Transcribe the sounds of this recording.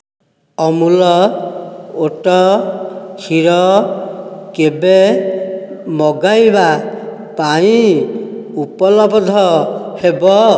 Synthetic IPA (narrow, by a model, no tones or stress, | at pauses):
ɔmulɔ | oʈɔ | hʰiɾɔ | kebe | mɔɡajba | paĩ | upɔlɔbɔd̪ʱɔhebɔ